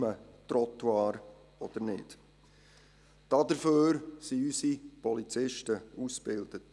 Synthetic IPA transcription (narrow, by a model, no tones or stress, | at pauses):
mətrɔtwɑːɾ | ɔd̥əɾnɪ̰ːd̥ | d̥ɑd̥əɾføːɾsiysipɔlit͡sɪʃtəusb̥ɪld̥ət